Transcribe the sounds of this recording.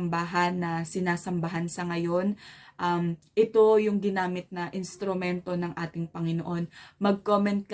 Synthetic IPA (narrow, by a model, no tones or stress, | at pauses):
mbaːɦɐnːɐsɪnaːsɐmbɐɦɐnsɐŋɐjo̞nʔɐmʔɪt̪o̞jʊŋɡɪnaːmɪt̪̚nɐʔɪnst̪ɾʊmɛnt̪o̞nɐŋʔaːt̪ɪŋpɐŋɪnoʔo̞nmɐɡ̚koːmɛnt̪̚k